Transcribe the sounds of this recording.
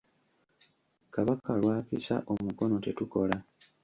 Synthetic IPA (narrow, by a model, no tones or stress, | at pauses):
kaβakalwaːfisa̰ʔomuko̞no̞te̞tuko̞la